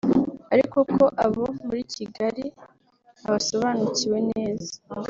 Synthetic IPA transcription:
aɾiko̞kʰo̞ʔaβo̞muɾiːciɡaɾi | aβaso̞βaːnuciwe̞ne̞ːzḁ

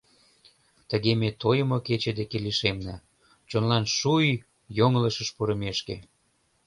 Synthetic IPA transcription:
t̪əɣemet̪ojəmoket͡ɕed̪ekeliʃemnə | t͡ɕonlɑnʃuj | joŋləʃəʃpuɾə̆meʃkḛ

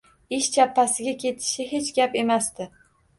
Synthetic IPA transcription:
ɪʃt͡ʃʰapːasɪɡʲakʲʰe̞t̪ʰɪ̥ʃɪɦe̞t͡ʃɡʲape̞mast̪ɪ

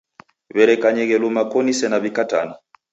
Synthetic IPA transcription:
βɛɾɛkaɲɛɣɛlumakɔnisɛnaβikata̰na

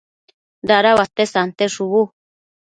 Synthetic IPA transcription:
d̪aɾaβat̪esant̪eʂuβu

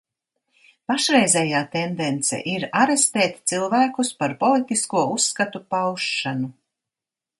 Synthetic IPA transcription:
paʃɾɛjzɛjaːt̪end̪ent̪sɛ̰ʔiɾaɾest̪eːt̪ʲt̪silˠvæːkuspaɾpɔlˠit̪iskuɔusːkat̪upawʃːanu

